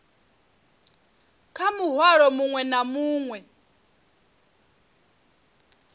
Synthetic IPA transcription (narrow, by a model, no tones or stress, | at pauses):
kʰamuɦwaɺɔmuŋwɛnamuːŋwɛ